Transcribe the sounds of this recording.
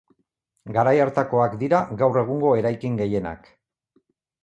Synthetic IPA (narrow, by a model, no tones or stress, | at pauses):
ɡaɾajaɾt̪ako̞akd̪iɾaɡawre̞ɣuŋɡo̞e̞ɾajkiŋɡe̞je̞na̰k